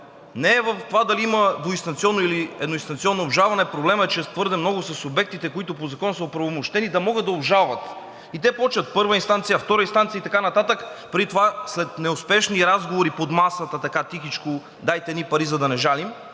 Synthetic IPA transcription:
nɛːvɐft̪ovad̪ɐliiməd̪voist̪ɐnt̪siɔnːoiliɛ̰d̪noʊinst̪ɐnt̪siɔnːoːbʒalˠvɐnɛpɾoblɛməɛt͡ʃɛt̪vɤɾd̪ɛmnɔɡʊsɐsobɛk̚t̪it̪ɛkoit̪ʊpozɐkɔnsəopɾɐvomoʃt̪ɛnid̪ɐmɔɡəd̪ɐʊbʒalˠvɐt̪ | it̪ɛpɔt͡ʃət̪̚pɤɾvəinst̪ant̪sijəft̪ɔɾəinst̪ant̪sjəit̪ɐkanɐt̪at̪əkpɾit̪ovaslɛt̪nɛʊspɛʃniɾazɡovoɾipod̪masət̪ət̪ɐkat̪ixit͡ʃko | d̪ajt̪ɛnipɐɾizɐd̪ɐnɛʒalim

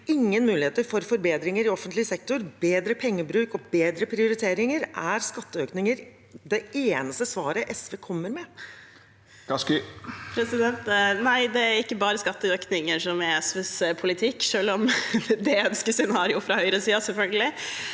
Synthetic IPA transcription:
ɪŋːənmʉːlɪeːt̪əɾfɔɾfɔɾbeːd̪ɾɪŋəɾɪɔfːənt̪lɪsɛk̚t̪ʊɾbeːd̪ɾəpʰɛŋːəbɾʉːkɔbeːd̪ɾəpʰɾɪʊɾɪt̪ʰeːɾɪŋəɾæɾskɑt̪ːəøːknɪŋəɾ | d̪ɛʔeːnəst̪əsʋɑːɾəʔɛsʋeːkʰɔmːəɾmɛ | kɑskpʰɾɛsɪd̪ɛnt̪næɪd̪ɛæɾɪkːəbɑːɾəskɑt̪ːəøːknɪŋəʂɔmɛɛsʋɛspʰʊlɪt̪ʰɪkːʂøːlɔmd̪ɛœnskəsɛnɑːɾɪʊfɾɑhœʏɾəsiːɑsɛlfœlɡəlɪ

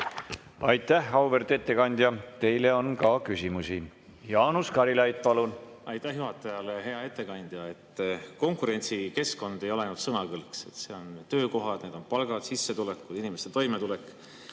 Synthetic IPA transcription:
ɑjt̪ːˑæhɑwvert̪e̞t̪ːe̞kɑnʲd̪̥jɑt̪e̞jle̞o̞nkɑkysimusi | jɑːnuskɑɾilɑjt̪̚pɑlunɑjt̪ːˑæhjuɦɑt̪ːˑejɑleɦe̞ɑe̞t̪ːˑe̞kɑnʲd̪̥jɑe̞t̪ːˑko̞ŋkuɾe̞nʲt̪sike̞sko̞nd̪̥e̞jo̞leɑjnut̪sɤnɑkɤlkse̞t̪ːse̞o̞nt̪ø̞ːko̞ɦɑd̪̥ned̪o̞npɑlɡ̥ɑd̪sisːet̪ulekːud̪inimest̪et̪o̞jmet̪ulekːˑ

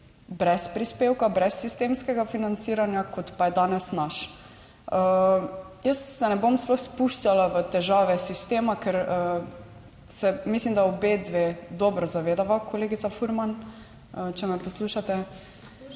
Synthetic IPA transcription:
bɾɛspɾispewkabɾɛsːist̪eːmskɛɡafinant̪siːɾanjakʰɔt̪pajɛd̪aːnɛsnaʃ | ə | jəsːɛnɛbomsplɔxspuʃt͡ʃalaʋət̪ɛʒaːʋɛsist̪eːmakɛɾə | sɛmislimd̪aobed̪ʋed̪ɔbɾɔzaʋeːd̪aʋakoleːɡit̪safuɾman | ət͡ʃɛmɛpɔsluʃat̪ɛ

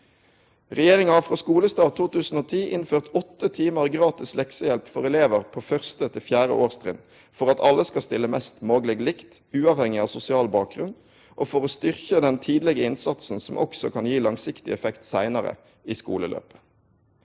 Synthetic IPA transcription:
ʁɛjeːʁɪŋɑhɑfʁoːskuːləst̪ɑːt̪ʰuːt̪ʉːsn̩oːt̪ʰiːʔɪnføːʁt̪ɔt̪ːət̪ʰiːməʁɡʁɑːt̪ɪslɛksəjɛlpfɔʁɛleːʋəʁpʰoːfœʁst̪ət̪ʰɪlfjæːʁə̰ʔoːʁst̪ʁɪn | fɔʁɑt̪ɑlːəskɑst̪ɪlːəmɛst̪moːɡlɛɡlɪkt̪ʉːɑːʋhɛŋɪɑʋsʊsɪɑːlbɑːk̚ɡʁʉnd̪ | ʔoːfɔʁost̪ʏʁçəd̪ɛnt̪ʰiːd̪lɛɡəɪnsɑt̪sn̩sɔmʔɔ̰ksɔkʰɑnjiːlɑŋsɪkt̪ɪɛfɛkt̪sæɪnɑʁə̰ | iːskṵːləlø̰ːpə̥

